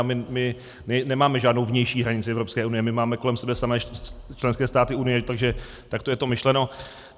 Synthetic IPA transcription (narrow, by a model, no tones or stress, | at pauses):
mɪmɪ | nɛnɛmaːmɛʒaːdno̞wvɲɛjʃiːɦɾaɲɪt͡sɪɛvɾopskɛːʔunɪjɛmɪmaːmɛko̞lɛmsɛbɛsamɛːt͡ʃlɛnskɛːst̪aːt̪ɪunɪjɛt̪aɡʒɛ | t̪akt̪ojɛt̪o̞mɪʃlɛno